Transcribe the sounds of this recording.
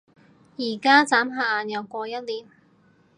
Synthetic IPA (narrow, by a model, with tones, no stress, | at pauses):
jiː˨˩kaː˥t͡saː˨˥mɦaː˨˩aː˨njɐ˨˧wkʷɔː˧jɐ˥t̚liː˨˥m